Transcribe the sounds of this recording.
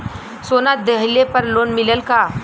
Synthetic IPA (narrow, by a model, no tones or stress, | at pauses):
sonat̪̚d̪eɦlepəɾlonmiləlka